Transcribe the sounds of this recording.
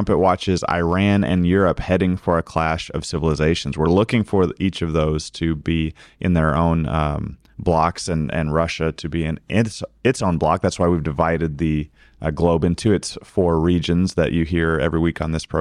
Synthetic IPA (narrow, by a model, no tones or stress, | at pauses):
mpɨʔ̚wɑt͡ʃɪza̰ɪɹæ̃nɨ̰̃njʊɹəphɛɾɪ̃ŋfə˞ɨkʰl̥æʃʌ̰v̥sɪvl̩ˠəzeɪʃn̩zwəɹlʊkɪ̃ŋfə˞it͡ʃʌvðoʊz̥tʰɨbiʔɨ̃nðə˞õʊ̃n | blɑksɨ̃nɨ̰̃nɹʌʃɨɾʰɨbiɨ̃nʔɪsɨtsõʊ̃nblɑ̰k̚ðætswaɪwivdɨvaɪɾɨd̪̚ðɨ | ɡloʊbɪ̃ntʰʉɨtsfɔɹɹid͡ʒɨ̃nzðɨ̰t͡ʃɨɦiɹɛ̰vɹiwikn̩ðɪspʰɹ̥o